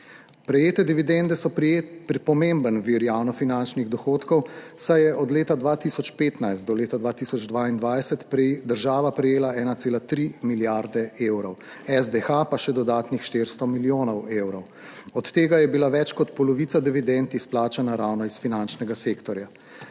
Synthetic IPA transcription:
pɾɛjeːt̪ɛd̪iʋid̪ɛnd̪ɛsɔppɔmembənʋiɾjawnɔfinant͡ʃniɣd̪ɔxoːt̪kɔwsajɛʔɔd̪leːt̪ad̪ʋaːt̪isɔt͡ʃpeːt̪najst̪ːɔleːt̪ad̪ʋaːt̪isɔd͡ʒd̪ʋaːind̪ʋajsɛt̪pd̪əɾʒaːʋapɾɛjeːlaɛːnat̪seːlat̪ɾimiljaɾd̪ɛeːwɾɔw | ɛzd̪ɛxapaʃɛd̪ɔd̪aːt̪nixʃt̪eːɾst̪ɔmiljoːnɔweːwɾɔw | ɔt̪ːeːɡajɛbilaʋɛt͡ʃkɔt̪pɔlɔʋiːt̪sad̪iʋid̪ɛnt̪isplaːt͡ʃanaɾawnɔisfinant͡ʃnɛɡaseːkt̪ɔɾja

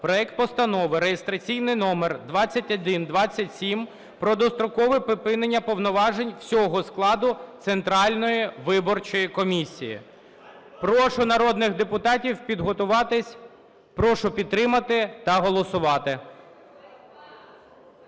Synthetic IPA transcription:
pɾɔɛk̚t̪̚pɔst̪ɐnɔʋɪɾejest̪ɾɐt͡sʲijnɪjnɔmerd̪ʋɑt͡sʲːɐtʲɔd̪ɪnd̪ʋɑt͡sʲːɐtʲsʲim | pɾɔd̪ɔst̪ɾɔkɔʋɪpɪpɪnenʲːɐpɔwnɔʋɑʒe̞nʲw̥sʲɔɦɔsklˠɑd̪ʊt̪sent̪ɾɑlʲnɔjiʋɪbɔrt͡ʃɔjikɔmʲisʲːijḭ | pɾɔʃʊnɐɾɔd̪nɪxd̪epʊt̪ɑtʲiwpʲid̪ɦɔt̪ʊʋɑt̪ɪsʲ | pɾɔʃʊpʲid̪t̪ːɾɪmɐt̪ɪt̪ɐɦɔlˠɔsʊʋɑt̪ɪ

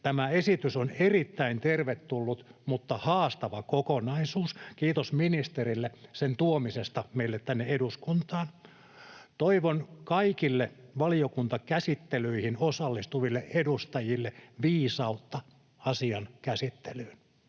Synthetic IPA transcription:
t̪æmæesit̪ysonerit̪ːæint̪erʋet̪tulːut̪mut̪ːɑhɑːst̪ɑʋɑkokonɑisuːskiːt̪osminist̪erilːesent̪uomisest̪ɑmeilːet̪t̪ænːeeduskunt̪ɑːn | t̪oiʋonkɑikilːeʋɑliokunt̪ɑkæsit̪ːelyihinosɑlːist̪uʋilːeʔedust̪ɑjilːeʋiːsɑut̪ːɑ | ɑsiɑnkæsit̪ːelyːn

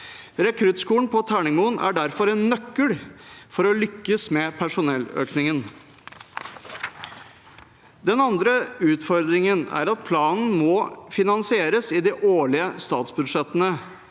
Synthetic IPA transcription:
ɾɛkʰɾʉt̪skuːn̩pʰɔt̪ʰæːɳɪŋmuːnʔæ̰ɖæɾfɔɾɛnːœkːəɽfɔɾɔlʏkːəsmɛpʰæʂʊnɛlø̰ːknɪŋən | d̪ɛnɑnd̪ɾəʉːt̪fɔɾd̪ɾɪŋənæ̰ɾɑt̪̚pʰlɑːnn̩mɔfɪnɑnsɪeːɾəsɪd̪ɪʔoːɭɪəst̪ɑːt̪sbʉd̪ʂɛt̪ːənə

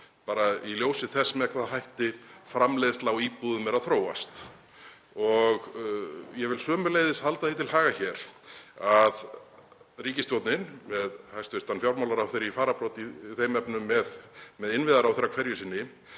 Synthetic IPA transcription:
paːɾailjoːwsɪθɛsmɛɛkvaðɦajht̪ɪfɾamleːjðɪst̪lawiːpuːðʏmjɛɾaðθɾoːwa̰st̪ | ɔɣ | jɛvɪlsœːmʏlejðɪshalt̪aθit̪ʰɪlhaːɣaçɛɾ̥að | riːcɪst̪jowt̪nɪnmɛðhajst̪vɪr̥t̪anfjawɾmawlaɾawθeɾifaːɾapɾɔt̪iθejmɛpnʏmːɛðmɛðɪnvɪðaɾawθeːɾːakʰvɛɾjʏsɪnːɪ

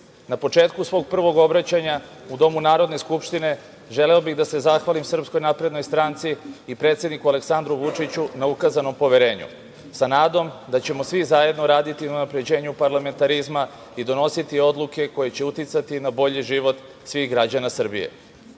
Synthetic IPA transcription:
napo̞t͡ʂe̞ːt̪̚kusʋo̞ɡ̚pr̩ʋo̞ɡo̞bɾat͡ɕaɲaud̪o̞munaːɾo̞d̪ne̞skupʃt̪ine̞ | ʒe̞leobiɣd̪ase̞zaxʋalimsr̩psko̞jnapɾe̞d̪no̞jst̪ɾant̪siːpɾe̞t̪sje̞d̪nikuale̞ksand̪ɾuʋut͡ʂit͡ɕunaukazano̞mpo̞ʋeɾe̞ːɲṵ | sanaːd̪o̞md̪at͡ɕe̞mo̞sʋizaje̞d̪no̞ɾaːd̪it̪inaunapɾe̞d͡ʑe̞ːɲupaɾlame̞nt̪aɾizma | id̪o̞no̞sit̪io̞d̪lˠuke̞ko̞je̞t͡ɕe̞ut̪it̪sat̪inabo̞ʎiʒiʋo̞t̪ | sʋiɣɡɾad͡ʑanasr̩bḭjḛ

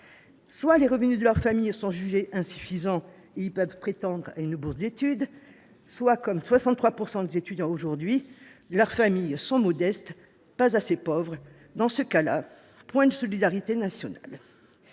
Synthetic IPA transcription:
swaleʁəvənyd̪əlœʁfamijsɔ̃ʒyʒeʔɛ̃sy̥fizɑ̃ | eilpœvpχet̪ɑ̃d̪ʁaynbuʁsd̪et̪yd̪ | swakɔmswasɑ̃t̪χwapuʁsɑ̃d̪ezet̪yd̪jɑ̃oʒuʁd̪ɥilœʁfamijsɔ̃mɔd̪ɛst̪ | pazasepɔvʁə | d̪ɑ̃səkala | pwɛ̃d̪əsɔlid̪aʁit̪enasjɔna̰l

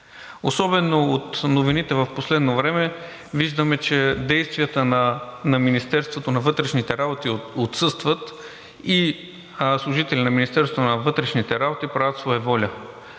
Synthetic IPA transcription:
osɔbɛnoot̪novinit̪ɛvəfposlɛd̪novɾɛmɛ | viʒd̪əmɛt͡ʃɛd̪ɛjst̪vijət̪ənnɐminist̪ɛɾst̪vot̪onɐvɤt̪ɾɛʃnit̪ɛɾabot̪iot̪sɤst̪vət̪ | i | slˠʊʒit̪ɛlʲinɐminist̪ɛɾsvot̪onɐvɤt̪ɾɛʃnit̪ɛɾabot̪ipɾavət̪svɔjɛvɔlʲə

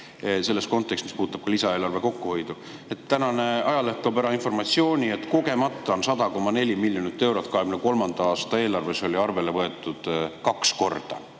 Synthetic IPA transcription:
se̞lːe̞st̪ko̞nt̪ːˑe̞kst̪mispuːt̪ːˑɑb̥̚kɑlisɑe̞ːlɑrve̞ko̞kːuho̞jd̪u | e̞t̪ːænɑne̞ɑjɑlehkːˑɑbæɾɑinfo̞rmɑt̪sio̞ːnʲie̞t̪ːˑko̞ɡe̞mɑt̪ːˑɑonsɑd̪̥ɑko̞mːɑne̞lʲimilʲːjonit̪ːˑe̞wɾo̞t̪̚ːˑkɑɦeɡmneko̞lmɑnd̪̥ɑɑːst̪ɑe̞ːlɑrve̞so̞lʲiɑrve̞le̞vɤe̞t̪ːˑud̪̥kɑksko̞rd̪̥ɑ̰

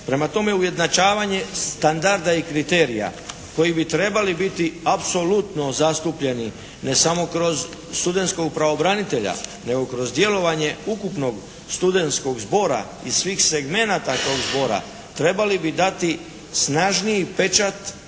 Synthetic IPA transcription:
pɾe̞mat̪o̞meuje̞d̪nat͡ʃaːʋaɲe̞st̪and̪aɾd̪aikɾit̪e̞ːɾija̰ | ko̞jibit̪ɾe̞balibit̪iapso̞lut̪no̞zast̪upʎe̞ni | ne̞samo̞kɾo̞z | st̪ud̪e̞nt̪sko̞ɡpɾao̞bɾanit̪e̞ʎa̰ne̞ɡo̞kɾo̞zd̪je̞lo̞ʋaɲe̞ukupno̞ɡ | st̪ud̪e̞nt̪sko̞ɡzbo̞ɾa̰ | isʋiːxse̞ɡme̞nat̪at̪o̞ːɡzbo̞ɾa̰ | t̪ɾe̞balibid̪at̪i | snaʒnijipe̞t͡ʃat̪

